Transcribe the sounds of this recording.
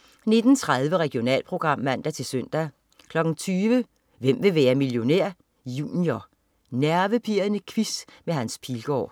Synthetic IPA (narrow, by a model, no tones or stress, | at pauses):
ne̝d̥n̩t͡sʰʁað̞ˠʋəʁɛɡ̥jo̝nɛ̰ːlpʰʁo̝ɡ̥ʁɑ̈m̰ːæn̰d̥æt͡sʰe̝lsøn̰d̥æ | kʰlɒ̽ɡ̥n̩t͡sʰyːʋə | ʋem̰ʋe̝ʋæːɐmiljo̝neɐ̰ | juːnio | næɐʋəpʰiɐnəkʰʋismeɦænspʰilɡ̥ɒ̰ː